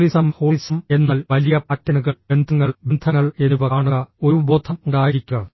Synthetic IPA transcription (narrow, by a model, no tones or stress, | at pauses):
lisɐmhoːlisɐme̞nːaːlʋɐlijɐpɐtːɐnuɣɐbend̪ʱɐŋːɐɭbend̪ʱɐŋːɐɭe̞nuʋɐaːɳɐɐo̞ɾubo̞ːd̪ʱʰɐmuɳɖaːjiɾikʲːuɐ